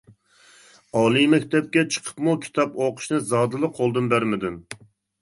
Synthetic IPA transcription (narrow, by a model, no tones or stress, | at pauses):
ɑːlˠijmɛkʲt̪ɛp̚kʲɛt͡ʃʰə̥qʰə̥pmukʲʰi̥t̪ʰɑpoqʰʊ̥ʃnɨzɑːd̪ɨlˠɨqʰolˠd̪ɨnbæɾmɪd̪ɪm